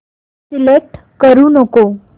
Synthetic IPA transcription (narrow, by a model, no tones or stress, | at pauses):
silek̚ʈ | kəɾunoko